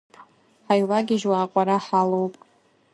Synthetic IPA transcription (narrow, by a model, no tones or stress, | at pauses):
ħajlaɡʲɪʒwaːqʷʼaɾaħalowpʼ